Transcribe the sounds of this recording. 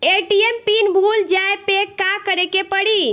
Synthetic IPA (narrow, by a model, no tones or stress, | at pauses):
eʈiempinbʱuld͡ʒaepekːakəɾekepəɽi